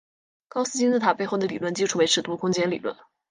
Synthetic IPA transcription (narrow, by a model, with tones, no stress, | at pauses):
kɑ˥ʊsɹ̩˥t͡ɕi˥t͡s̩˥˩t̪ʰa˨˩pe˥˧ɪxo˥˩ʊd̪ə˩li˨˩lwə˥˧nt͡ɕi˥˧ʊʈ͡ʂʰu˥˩we˧˥ɪʈ͡ʂʰɻ̩˨˩t̪u˥˩kʰʊ˥ŋt͡ɕjɛ˥nli˨˩lwə̰˥˩n